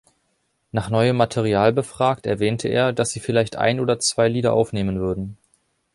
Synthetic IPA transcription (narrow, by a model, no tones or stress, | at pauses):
naːχnɔʏəmːatʰeʁ̞iaːlbəfʁ̥aːktɛɐvɛːntʰəʔḛːɐdasz̥iːfɪlaɪçtʔa̰ɪnoːdɐt͡sv̥aɪliːdɐʔaʊfneːmənvʏɐdn̩